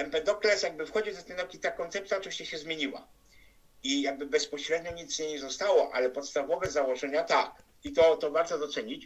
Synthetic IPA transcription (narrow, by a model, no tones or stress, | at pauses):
ɛmpɛd̪ɔklɛsjaɡ̚bɘfxɔd͡ʑiwzat̪ɛnɔkʲit̪akɔnt̪sɛpt̪sjat͡ʂɛwɕt͡ɕɛɕɛzmʲjeɲiwa̰ | ijaɡ̚bɘbɛspɔɕɾɛd̪ɲɔɲit̪sɲɛɲɛzɔst̪awɔʔa̰lɛpɔt̪st̪avɔvɛzawɔʐɛɲat̪ak | it̪ɔt̪ɔvaɾt̪ɔd̪ɔt̪sɛɲit͡ɕ